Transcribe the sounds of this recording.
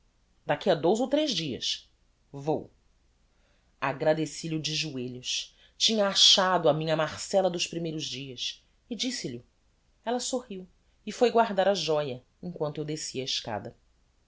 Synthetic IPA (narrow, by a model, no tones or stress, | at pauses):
d̪akiɐd̪owzowt̪ɾeʒd͡ʒiɐ̰s | vo̰w | aɡɾad̪esiʎɪʊd͡ʒɪʒueʎʊʃ | t͡ʃĩɲɐaʃad̪ʊamĩɲɐmaχsɛlɐd̪ʊspɾimejɾʊzd͡ʒiɐs | ɪd͡ʒisɪlʊ | ɛlɐsohiw | ɪfojɡwaɾd̪aɾaʒɔjɐ | ẽŋkwɐ̃nt̪ʊewd̪esiɐɪʃka̰d̪ɐ